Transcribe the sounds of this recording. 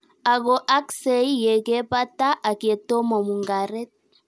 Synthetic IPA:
a˨ɣo˨ʔa˦kse˨i˦je˨ke˦pa˦ta˦ʔa˨ke˨to˦mɔ˨mu˨ŋɡa˨ɾe˦t̚

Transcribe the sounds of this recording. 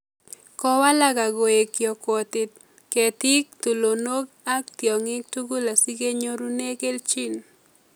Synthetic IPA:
kɔ˦wa˦la˦ɡa˨ɡo˨e˨kjɔ˨kwɔ˨tɪ˨t̪̚ | ke˨t̪ɪ˦k̚t̪u˨lo˨no˦k | a˦k̚t̪jɔ˨ŋɪ˦k̚tu˦ɡu˦la˨si˦ɡe˦ɲo˦ɾu˦ne˦ke˦lt͡ʃi˦n

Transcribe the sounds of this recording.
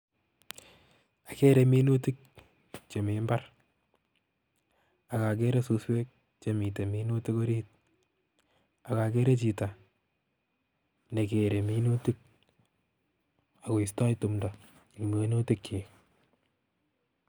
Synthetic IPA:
a˨ke˦ɾe˨mi˦no˦ti˦k̚ | t͡ʃe˨me˨mba˦r | a˨ka˨k̬e˦ɾesu˧swe˦k̚ | t͡ʃe˨mi˨te˨mi˦no˦ti˦ko˦ɾiːt̚ | a˨ka˨ke˦ɾe˦t͡ʃi˨ta˨ | ne˨ke˨ɾe˨mi˦no˦ti˦k̚ | a˨ko˨ista˦jtu˨mda | n˨ki˨me˦no˦ti˦kʰːe˨

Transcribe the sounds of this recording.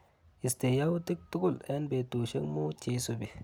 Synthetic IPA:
i˨ste˨ja˦wu˦ti˦k̚tu˦ku˦le˦nbe˨tu˨ʃe˦ŋmu˦t͡ʃe˨˦so˨bi˨

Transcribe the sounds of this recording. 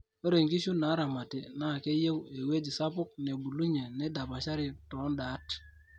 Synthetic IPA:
o˦ɾe˨ŋɡi˦ʃu˦na˨˦ɾa˨ma˨ti˨na˦˨ke˦je˦we˨we˦d͡ʒi˨sa˦pʊ˦k̚ne˨bu˨lu˦ɲe˨ne˦da˨pa˨ʃa˦ɾi˨tɔ˨˦nda˨˦t

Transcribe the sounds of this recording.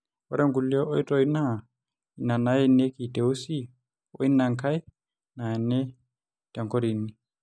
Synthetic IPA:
ɔ̰˦ɾɛ˦ŋɡu˨li˦ɔ˦ʔɔ˦i˦tɔ˨i˦na˦˨ | i˨na˨na˨˦jɛ˦ne˦ki˨tɛ˨u˦si˦ | ɔ̰˦i˦na˨ŋka˦i˦ | na˨ɛ˨nɛ˦ | ta˨ŋkɔ˦ɾi˨ni˨

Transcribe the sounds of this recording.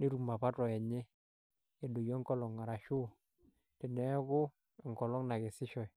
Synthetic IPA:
ne˦ɾu˨ma˨pa˦tɔ˨ɛ˨ɲe˦ | e˨do˨jɔ˦ŋkɔ˦lɔ˨ŋːa˨ɾa˨ʃu˦˨ | tɪ˨nɛ˨˦ɡʊ˦˨ | ŋkɔ˨lɔ˦ŋna˨ɡe˨sɪ˦ʃɔ˨j

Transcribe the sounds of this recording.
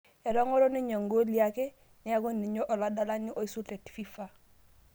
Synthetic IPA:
e˨ɾo˦ŋo˦ɾo˦ni˦ɲa˨ŋɡo˦li˨a˦ke˦ | ni˨a˦ɡo˦nːi˨ɲo˦ʔo˨la˦da˦la˦nːi˦ʔo˦i˦su˦te˨tfi˦fa˨

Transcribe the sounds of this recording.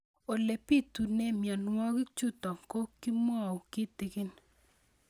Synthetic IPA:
o˨le˨pi˦tu˨ne˦mja˨nwɔ˦ki˦t͡ʃu˦tɔ˨ŋko˦ki˦mwɔ˦˨ʊ˨kɪ˦tɪ˨kɪ˦n

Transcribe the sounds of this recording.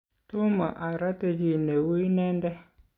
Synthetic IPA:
tu˦ma̰˨ʔa˨ɾa˦tə˨d͡ʒi˨ne˨wu˦nɛ˦ndɛ˦

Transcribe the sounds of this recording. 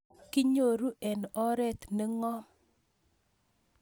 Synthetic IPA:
kɪ˦ɲo˦˨ɾu˦ʔɛ˨nɔ˦ɾɛ˦t̪ne˦ŋɔ˦

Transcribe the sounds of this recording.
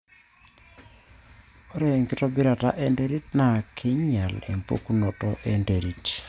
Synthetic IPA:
o˦ɾe˨ŋki˦tɔ˦bi˦ɾa˨ta̰˦ʔe˦nde˦ɾi˦t̚na˨kʰi˦ɲa˨lḛ˨mpo̰˦ku˦nɔ˨tɔʔende˨ɾi˨t

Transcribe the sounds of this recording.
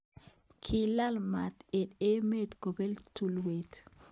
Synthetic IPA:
kʰi˨la˦lma˨te˨de˦me˦t̪ɡo˨be˦ltu˨lwe˨t

